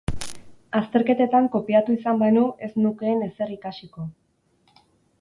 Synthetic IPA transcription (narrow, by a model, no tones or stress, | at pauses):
ast̪e̞ɾke̞t̪e̞t̪aŋko̞piat̪uisambanue̞snuke̞ːne̞se̞ɾikasiko̞